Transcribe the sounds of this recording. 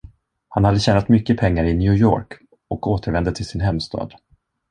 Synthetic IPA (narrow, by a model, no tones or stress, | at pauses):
hanhad̪ːəɕɛːnat̪mʏkːəpʰɛŋːaɾɪnjʉ̟ːjo̰ːɾk | ɔkoːt̪əɾvɛnd̪ət̪ʰɪlsɪnɦɛmːst̪ʰɑ̰ːd̪